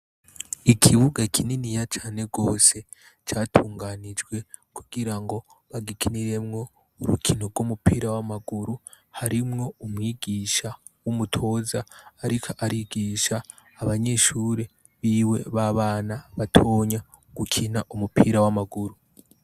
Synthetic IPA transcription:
ikʰiβuɡakʰininijat͡ʃaːne̞ɡo̞ːse̞ | t͡ʃaːtʰuːŋɡaːnid͡ʒɡwe̞ | kuɡiɾaŋɡo̞ | βaɡikʰiniɾe̞mŋo̞ | uɾukʰinoɾɡwomupʰiːɾawamaɡuɾu | haɾimŋo̞umwiːɡiːʃa | wumutʰo̞ːzaːɾikʰaʔaɾiɡiːʃaː | βaɲe̞ːʃuːɾe̞ | βiːwe̞βaβaːnaβatʰo̞ɲa | ɡ̥ukʰinaʔumupiɾawamaɡuɾu

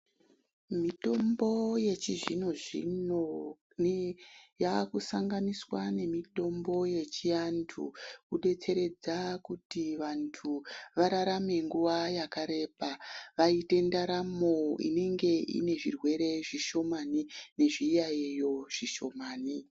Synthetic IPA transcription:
mito̞mbo̞je̞t͡ʃiʐinoʐḭno | jakusaŋɡaniswane̞mito̞mbo̞je̞t͡ʃiantʰṵkuɗe̞t͡se̞ɾe̞d͡zakutiʋantʰuʋaɾaɾame̞ŋɡuʋajakaɾe̞paʋaite̞ndaɾamo̞ḭne̞ŋɡe̞ḭne̞ʐirwe̞ɾe̞ʐiʃo̞manine̞ʐijaijo̞ʐ̥iʃo̞maːni

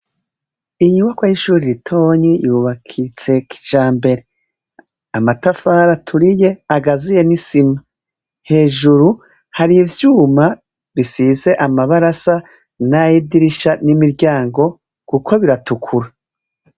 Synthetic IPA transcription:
iɲumakwahiʃuːɾiɾitʰo̞ɲijuːβakʰit͡se̞kʰi̥ʒaːmbe̞ɾe̞ | amatafaɾatʰuɾije̞aɡazije̞nisima | he̞ːʒuɾu | haɾivjuːma | βisize̞ʔamaβaɾasa | najidiɾiʃanimiɾɟaːŋɡo̞ | kukʰo̞βiɾatukʰuɾa

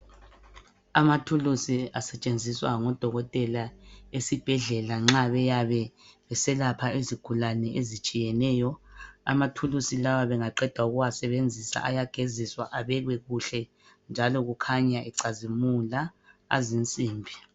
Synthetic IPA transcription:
amatʰulusiasɛt͡ʃʼend͡zʱiswa̰ŋɔd̥ʱɔɣɔtʼɛlaesib̥ʱɛɮɛlaŋ͡ǁaβɛjaβɛβɛsɛlapʰaeziɡ̥ʱulanɛʔezit͡ʃʼijɛnɛːjɔa̰matʰulusilawaβɛŋaǃɛd̥ʱwauɣuwasɛβend͡zʱisa̰ʔajaɡ̥ʱeziswaʔaβɛɣwɛɣuɬɛ | nd͡ʒʱalɔɣukʰaɲaʔɛǀazimulaa̰zint͡sʼiːmbʱi

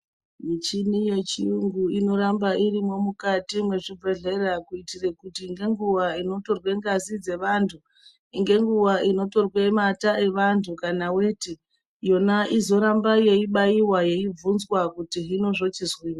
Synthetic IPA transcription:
mit͡ʃinije̞t͡ʃiuŋɡuino̞ɾambaʔirimo̞mukatimwe̞ʐie̞ɮe̞rakuitirekutiːŋɡe̞ŋɡuʋaino̞to̞rwe̞ŋɡazid͡ze̞ʋantʰu | iŋɡe̞ŋɡuʋaino̞to̞rwe̞matae̞ʋantʰukanawe̞ti | jo̞naʔizo̞ɾambaje̞iɓaiwaje̞ivunzwakutiɦino̞ʐo̞t͡ʃizwiːwa

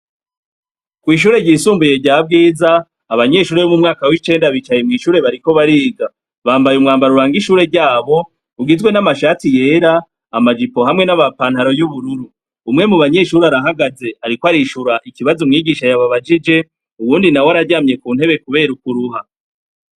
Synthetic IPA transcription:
kwiːʃ̬uːɾeɟiːsuːmbuje̞ɟaːbɡiːzaː | βaɲe̞ʃuːɾe̞βomumŋaːkawit͡ʃe̞ːndaβit͡ʃajemŋiːʃuːɾe̞βaɾiko̞βaɾiːɡa | βaːmbajumŋaːmbaɾuɾaːŋɡiʃuːɾe̞ɾɟaːβo̞ | uɡizɡwe̞namaʃaːtije̞ɾaː | mad͡ʒipo̞ɦamŋe̞naβapaːnhaɾo̞juβuɾuɾuː | mŋe̞muβaɲe̞ʃuːɾaɾaɦaɡaze̞aɾikoaɾiʃuɾaʔikiβazumŋiːɡiːʃajaβaβad͡ʒid͡ʒe̞ | uwuːndinawaɾaɾɟaːmje̞kuːn̥he̞βe̞kuβe̞ːɾuk̚uɾuɦa

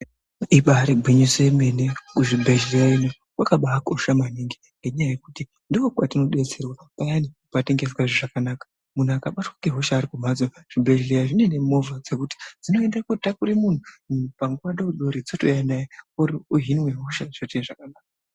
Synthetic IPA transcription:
iɓaɾeɡʱwiɲiseme̞nekuʐibʱeʒlejaino | wʔakaɓaːkoʃamaniŋɡi | ŋɡe̞ɲajaje̞kuti | ndikokwatino̞ɗe̞t͡se̞rwapajanipate̞ŋɡe̞s̬waʐiʐakanaːkḁ | mun̤uakaɓatwakeɦoʃaːɾikum̤ad͡zoʐ̥ibʱeʒlejaʐine̞ne̞mo̞vad͡ze̞kuti̥d͡zino̞e̞ndeakotakuɾimun̤upaŋɡuwaɗauɗoɾid͡zotojanajeorioɦiniwe̞ɦo̞ʃaʐ̥otiʐakanaːk̚a

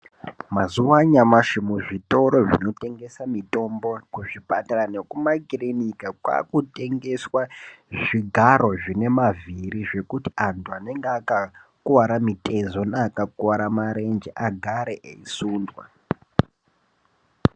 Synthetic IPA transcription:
mazuwaɲamaʃimuʐito̞ɾo̞ʐino̞te̞ŋɡe̞samito̞mbokuʐipataranekumakilinikakwa̰kute̞ŋɡe̞swaʐiɡʱaɾo̞ʐine̞maviɾiʐe̞kutiantuane̞ŋɡeakakuwaɾamitʰʼe̞zo̞naːkakuwaɾamaɾe̞nd͡ʒeʔaɡʱaɾe̞ʔeisuːndwa̰

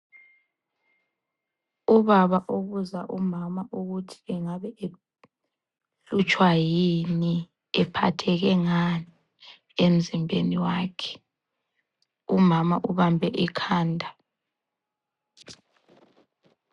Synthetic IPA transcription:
uβaβaʔoɣuzaʔumamaʔuɣutʰi̥ɛŋaβɛʔe | ɬut͡ʃʼwajini | ɛpʰa̰tʰɛɣɛŋani | em̩zimbʱeniwaːkʰɛ̥ | umamaʔuβambʱɛʔikʰaːndʱa

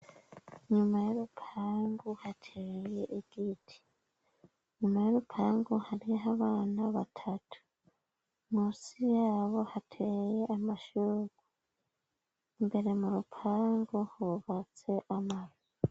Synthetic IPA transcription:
ɲumajoɾupʰaːŋɡuhatʰejeʔiɡ̥itʰi̥ | ɲumajoɾupʰaːŋɡuhaɾijɦaβaːnaβatʰatʰu̥ | muːsijaːβo̞hatʰeje̞ʔamaʃuɡu | imbe̞ɾe̞muɾupʰaːŋɡuhuβat͡se̞ʔamazi

